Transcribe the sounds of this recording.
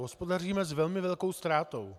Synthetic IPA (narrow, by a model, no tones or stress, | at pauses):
ɦospo̞dariːmɛzvɛlmɪvɛlko̞wst̪ɾaːt̪o̞w